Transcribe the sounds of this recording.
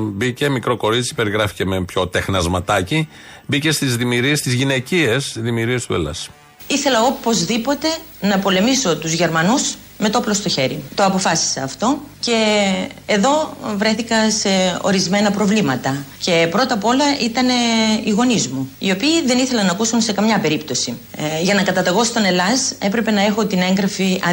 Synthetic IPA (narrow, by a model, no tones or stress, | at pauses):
bice̞mikɾo̞ko̞ɾit͡si̥pe̞ɾiɣɾɐfi̥ce̞mepço̞t̪e̞xnɐzmɐt̪ɐci | bice̞st̪izðimiɾiest̪izʝine̞ciesðimiɾiest̪uḛlɐ̰s | iθe̞lɐo̞po̞zðipo̞t̪e̞ | nɐpo̞le̞miso̞t̪uzʝe̞ɾmɐnus | met̪ooplo̞st̪o̞çe̞ɾit̪o̞ɐpo̞fɐsi̥seːft̪o̞ce̞ː | ðo̞vɾe̞θikɐse̞o̞̰ɾizme̞nɐpɾo̞vlimɐt̪ɐce̞pɾo̞t̪ɐpo̞lɐit̪ɐne̞iɣo̞nizmuio̞piːðe̞niθelɐnɐːkusunse̞kɐmɲɐpe̞ɾipt̪o̞siʝɐnɐkɐt̪ɐt̪eɣo̞st̪o̞ne̞lɐse̞pɾe̞pe̞nɐe̞xo̞t̪ine̞ŋɡɾɐfiɐ